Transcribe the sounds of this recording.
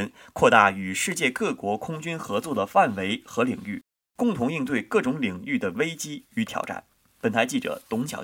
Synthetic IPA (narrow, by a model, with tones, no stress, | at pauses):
n | kʰwɔ˥˧t̪a̰˥˩y˨˩ʂɻ̩˥˧t͡ɕjɛ˥˧kɤ˥˩kwɔ˧˥kʰʊ˥ŋt͡ɕy˥nxɤ˧˥t͡swɔ˥˩d̪ə˩fa˥˩nwe˧˥ɪxɤ˧˥li˨˩ŋy˥˩ | kʊ˥˩ŋt̪ʰʊ˧˥ŋi˥˧ŋt̪̬we˥˧ɪkɤ˥˩ʈ͡ʂʊ˧˥ŋli˨˩ŋy˥˩d̪ə˩we˥ɪt͡ɕi˥y˧˥t̪ʰjɑ̰˧˥ʊʈ͡ʂa̰˥˩n | pə˨˩nt̪ʰa˧˥t͡ɕi˥˩ʈ͡ʂɤ̰˨˩t̪ʊ˧˥ŋt͡ɕʰjɑ̰˨˥